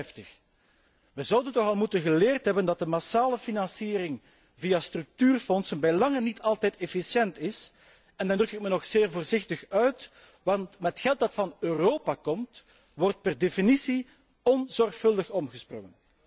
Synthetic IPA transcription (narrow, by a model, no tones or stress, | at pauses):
ftəx | ʋəzʌwdəntɔxɑlˠmutənɣəleːrtɦɛbəndɑt̚dəmasaːləfinɑnsiːɾɪŋ | vijastrɵk̚tyːrfɔnsənbɛlɑŋənːitʰɑlˠtɛjtɛfisjɛntɪs | ɛndɑndrɵkɪk̚mənɔxseːrvoːrzɪxtəxœɥt | ʋɑntmətxɛlˠt̚dɑtfɑnøːroːpakɔmt | ʋɔrt̚pɛrdefinisi | ɔnzɔrxfɵlˠdəxɔmɣəsprɔ̰ŋən